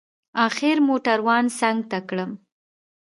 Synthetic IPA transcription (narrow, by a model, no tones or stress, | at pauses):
ɑxɪɾmoʈaɾwɑnsaŋɡ̚t̪akɽəm